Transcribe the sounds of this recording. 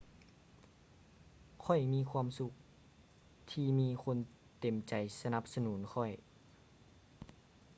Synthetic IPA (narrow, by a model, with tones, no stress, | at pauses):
kʰɔ˧˩jmiː˧˨kʰwaː˧˨msu˧k̚ | t̪ʰiː˧miː˧kʰo˧˥n | t̪e˨˩mt͡ɕa˨˩jsa˧na˧˦p̚sa˧nuː˩˦nkʰɔ˧˩j